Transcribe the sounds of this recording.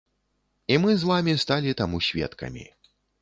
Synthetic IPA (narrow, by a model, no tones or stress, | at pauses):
imɨzvamʲist̪alʲit̪amusʲvʲɛ̰t̪kɐ̰mʲḭ